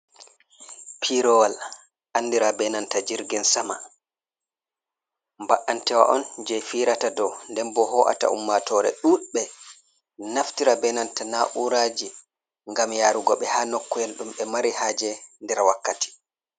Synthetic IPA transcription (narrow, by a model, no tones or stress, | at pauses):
pʰiɾɔwal | ʔandiɾabɛnantad͡ʒiɾɡɛnsama | mbaʔantɛwa̰ʔɔnd͡ʒɛjfiːɾatadɔndɛmbɔhɔːʔa̰ta̰ʔṵmːatɔɾɛɗuɓɛ | naftiɾabɛnantanaʔuɾaːd͡ʒi | ŋɡamjaːɾuɡɔɓɛhaːnɔkːɔjɛlɗumɓɛmaɾihaːd͡ʒɛndɛɾwakːati̥